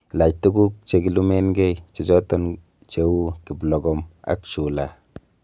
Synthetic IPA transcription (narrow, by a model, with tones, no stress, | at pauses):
la˨c̚tu˦ɡu˦k̚t͡ʃe˨ki˨lu˦me˦nɡɛ˦jt͡ʃe˨t͡ʃɔ˦tɔ˦n | t͡ʃe˦wu˦ki˨blɔ˨ɡɔ˨ma̰˨kt͡ʃu˨la˨